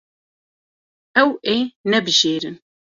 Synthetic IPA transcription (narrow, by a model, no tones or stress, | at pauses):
ɐweːnɐbʒeːɾɨn